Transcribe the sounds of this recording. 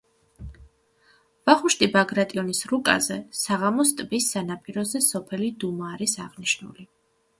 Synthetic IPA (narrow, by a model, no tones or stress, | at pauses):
vaχuʃt̪ʼibaɡɾat̪ʼiɔnisɾukʼa̰zɛsaʁamɔst̪ʼbisːanapʼiɾɔzɛsɔpʰɛlid̪umaːɾisaʁniʃnṵli